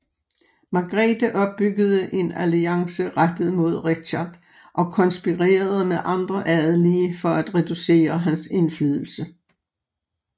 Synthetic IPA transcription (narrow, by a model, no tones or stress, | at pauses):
mɑ̈ɡ̥ʁɛːd̥əʔɒ̽b̥̚ːyɡ̥əð̞̩ˠəʔe̝næliɑ̈ŋsəʁad̥ð̩ˠmo̝ð̞ˠʁe̥ɕɑd̥ | ʔɒ̽kʰɒ̽nsb̥iʁḛːɐð̞̩ˠmeðʔɑ̈nd̥ʁɐʔæðˠəliːfɒ̽æd̥ʁɛd̥use̝̰ːɐɦænse̝nflyːð̞ˠl̩sə